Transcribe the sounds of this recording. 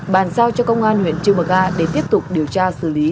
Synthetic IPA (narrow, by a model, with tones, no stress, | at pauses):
ɓaː˨˩nsaː˧wt͡ɕɔ˧kə˧wŋ͡mʔaː˧nhwḭ˧˨ənt͡ɕɨ˧mə˨˩ɣaː˧ɗe˧˩t̪i˦˥əp̚t̪ʊ˨˩k͡p̚ɗi˨˩əwt͡ɕaː˧sɨ̰˧˩li˨˦